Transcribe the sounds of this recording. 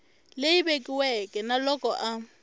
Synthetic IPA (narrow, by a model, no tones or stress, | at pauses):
lejibekʼiwɛkʼɛnalɔkʼɔʔa